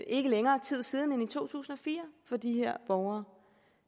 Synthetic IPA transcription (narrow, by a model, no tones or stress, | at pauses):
e̝ɡ̥əleŋɐːt͡sʰið̞̰ˠsiːð̞ˠn̩enit͡sʰo̝̰ːt͡sʰṵːsn̩ɒ̽fḭːɐfɒ̽d̥iheɐ̰b̥ɒʊɐː